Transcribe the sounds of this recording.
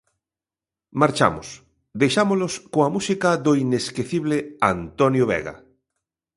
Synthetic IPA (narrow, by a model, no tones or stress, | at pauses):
maɾt͡ʃa̰mʊ̰s | d̪ejʃamoloskoamusikaðoineskeθiβleant̪onjoβɛ̰ɣa̰